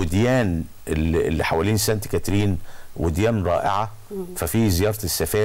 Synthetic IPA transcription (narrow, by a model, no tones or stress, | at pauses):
wɪd̪jæːn | el̰lːiħawæːliːnsænt̪kæt̪ɾiːnwʔɪd̪jæːnɾˤɑ̰ːʔeʕa | fæfiːzejɑːɾˤɑt̪sːæfæː